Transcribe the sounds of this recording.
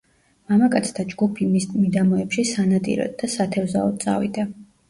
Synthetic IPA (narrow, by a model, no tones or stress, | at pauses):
mamakʼat̪sʰt̪ʰad͡ʒɡupʰimist̪ʼmid̪amɔɛpʃisanat̪ʼḭɾɔ̰d̪ːasat̪ʰɛvzaɔd̪̚t̪sʼa̰vḭd̪a